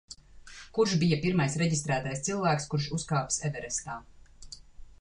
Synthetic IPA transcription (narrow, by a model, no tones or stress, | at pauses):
kuɾʃbijapiɾmajsɾɛɟist̪ɾæːt̪ajst̪silˠvæːkskuɾʃuskaːpsɛvɛɾɛst̪aː